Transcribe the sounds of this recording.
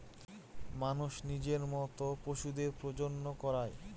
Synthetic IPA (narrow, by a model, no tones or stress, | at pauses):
manuʃnid͡ʑeɾmɔt̪opɾoʃud̪eɾpɾod͡ʑonːokɔɾae